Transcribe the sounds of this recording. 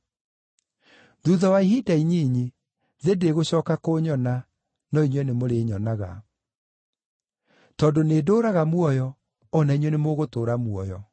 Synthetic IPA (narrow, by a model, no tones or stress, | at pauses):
ðuðɔwaiɦidaiɲiɲi | ðedeɣoɕɔːkakoːɲɔna | nɔiɲwɛnemoɾeːɲɔnaɣa̰ | tɔdoneːdoːɾaɣamwɔjɔ | ɔnaiɲwɛnemoɣotoːɾamwɔjɔ